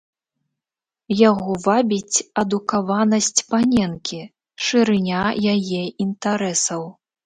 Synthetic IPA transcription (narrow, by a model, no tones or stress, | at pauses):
jaɣɔvabʲit͡sʲɐd̪ukavanɐsʲt͡sʲpanʲɛnkʲi | ʂɨɾɨnʲajajɛint̪aɾɛsɐw